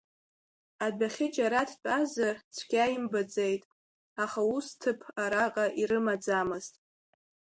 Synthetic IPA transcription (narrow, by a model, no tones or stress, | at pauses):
adaχʲɪd͡ʒʼaɾatʰtʼazart͡sʷʰɡ̥ʲajimbad͡zejtʼ | aχaustʰɨpʰaɾaqʼaʔiɾɨmad͡zamɨztʼ